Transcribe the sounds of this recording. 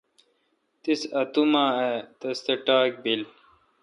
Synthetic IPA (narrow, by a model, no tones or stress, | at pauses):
t̪isɐt̪umaːet̪ɐst̪eʈaːk̚bil